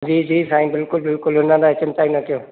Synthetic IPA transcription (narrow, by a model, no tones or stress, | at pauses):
d͡ʒiːd͡ʒiːsaːĩbɪlkʊlbɪlkʊlʊnãd̪at͡ʃɪmt̪aːinak̪joː